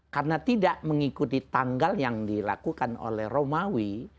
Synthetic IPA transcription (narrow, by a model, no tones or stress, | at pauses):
karnat̪idaʔməŋikut̪it̪aŋɡaljaŋdila̰kukano̰lɛhromawi